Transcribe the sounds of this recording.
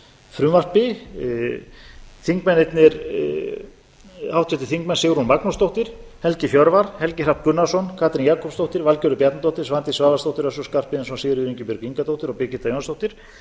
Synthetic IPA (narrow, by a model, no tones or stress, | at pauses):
fɾʏːmar̥pɪ | θiŋkmɛnejt̪nɪɾ | awht̪sɛt̪ɪ̥θiŋk̚mɛnsɪɣɾunmaknɔst̪owht̪ɪɾ̥hɛlcɪfjɔɾvaɾ̥hɛlcɪr̥apkʏnːasɔnkʰaːt̪ɾinjaːkʰɔpst̪owht̪ɪɾvalcœɾʏpjat̪nt̪owht̪ɪɾ̥svant̪ɪsvaːðast̪owht̪ɪɾasɔskar̥pɪɛnsvasɪðɾɪʏðɾiɲcɪpʏɾciŋkat̪owt̪ɪɾɔpɪɾcɪ̥t̪ajonst̪owt̪ɪɾ̥